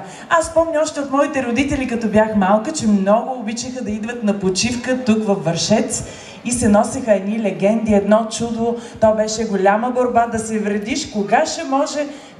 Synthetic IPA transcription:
asspɔmnʲɐɔʃt̪ɛɐt̪mɔit̪ɛɾod̪it̪ɛlʲikɐt̪ɔbjaxmalˠkət͡ʃɛmnɔɡʊːbit͡ʃɛxəd̪ɐid̪vət̪nɐpot͡ʃifkət̪ukvɐfːɐɾʃɛt̪s | isɛnɔsɛxəɛd̪nilɛɡɛnd̪iɛd̪nɔt͡ʃud̪ot̪ɔjbɛʃɛɡolʲaməboɾbad̪ɐsɛvɾɐd̪iʃkoɡaʃɛmɔʒɛ

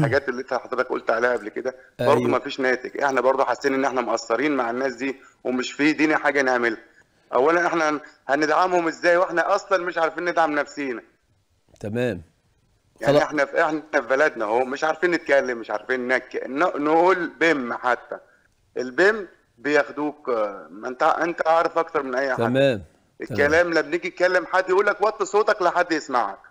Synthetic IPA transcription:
ħaɡæːt̪elːet̪æħɑd̪ˤɾet̪ɑkʔṵlt̪ʕalæːʔæblked̪æ | bɑɾˤd̪umæfiːʃnæːt̪ækʔeħnæbɑɾˤd̪ˤuħasːiːnʔenːʔeħnæmoʔæsːɑɾiːnmaʕenːæːsd̪iː | wemeʃfiːd̪iːniħaːɡænhæmelhæ | ʔæ̰wːælænʔeħnæhæned̪ʕamhomʔezːæːjweħnæʔɑsˤlɑnmeʃʕaɾˤfiːnːed̪ʕamnæfsiːnæ | t̪æmæːm | jaʕniʔeħnæfʔeħnnæfibælæd̪næhomɪʃʕaɾˤfiːnːɪt̪̚kælːɪmːɪʃʕa̰ɾˤfiːnːækːæʔnːnʔuːlbemːħat̪ːæ | ʔɪlbemː | bejæxd̪uːkmænt̪ʔent̪æʔɑʕɾˤɑfʔɑkt̪ɑɾˤmɪnʔæjːħadːm | ʔekːælæːmlæmbneɡijkælːemħad̪ːjʔuːlːæk̚bɑʔt̪ːˤsˤoːt̪ɑklæħad̪ːjɪsma̰ʕæ̰k̚

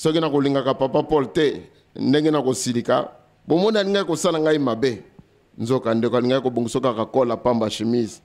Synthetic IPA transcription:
sɔkinakoliŋɡakapapapɔltɛ | ndeŋɡenakosilika̰ | bomɔnialiŋɡaikosalaŋɡaimabe | nzokandekoaliŋɡakoboŋɡisokakakolapambaʃemizi

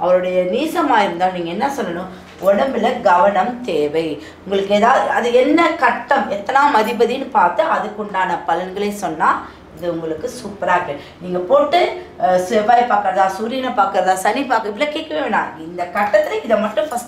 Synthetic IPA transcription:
ɐʋɐɾɯɽɐjɐniːsɐmaːɪɾɯnd̪aːlniːŋɡɐɛnːɐsɔlːɐnʊ̃ | ɔɽɐmbɪlɐɡɐʋɐɳɐmt̪eːʋɐɪ | ʊŋɡɐɭɯkːeːðaːʋðɯɐðɯɛnːɐkɐʈːɐmɛt̪ːɐlaːmɐðɪbɐðijnɯpaːɾt̪ɯɐðɯkːʊɳɖaːnɐpɐlɐnɡɐɭeːsɔnːaː | ɪðɯʊŋɡɐɭɯkːɯsupːɐɾaːɣɐ | niːŋɡɐpoːʈːɯsebaːjpaːɾkɐɾɐðãːsuːɾiːnɐpaːkɐɾɐðãːsɐnipaːkɪpːɪlɐkeːʈkːɐʋeːnːã̰ːɪnd̪ɐkɐʈːɐt̪ːɪlɐɪðɐmɐʈːʊ̃fɐsʈ

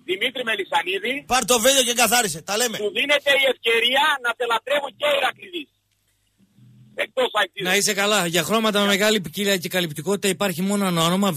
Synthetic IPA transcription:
ðimit̪ɾime̞lisɐniðipɐɾt̪o̞veloceŋɡɐθɐɾiset̪ɐle̞meuðine̞t̪e̞ie̞fce̞ɾiɐnɐt̪e̞lɐt̪ɾe̞vuɲceiɾɐkɾivis | ek̚t̪osɐk̪inɐise̞kɐlɐʝɐxɾo̞mɐt̪ɐmemeɣɐlipiciliɐce̞kɐlipt̪iko̞t̪it̪ɐipɐɾçimo̞noɐnonomɐ

